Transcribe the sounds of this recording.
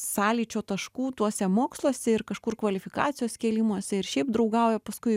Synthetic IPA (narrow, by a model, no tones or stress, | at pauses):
sɑːlʲiːt͡ʃʲoːt̪ɐʃkuːt̪uɔsʲɛmoːkslˠoɔsʲɛɪɾkɐʃkʊrkʋɐlʲɪfʲɪkɑ̰ːt͡s̪ʲɪjoːskʲiːlʲɪmuɔsʲɛɪɾʃʲɛɪp̚d̪ɾɐʊɡɐʊjɛpɐskʊɪ